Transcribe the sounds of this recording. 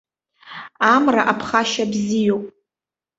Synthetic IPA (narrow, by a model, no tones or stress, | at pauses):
amraʔapʰχaʃabzijowpʼ